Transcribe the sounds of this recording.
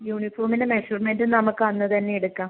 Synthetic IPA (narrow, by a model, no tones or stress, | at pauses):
juːɳifoːrminemeʂurmendɨnɐmukːɨʋɐnːɨt̪ɐnːe̞eɽukːaːm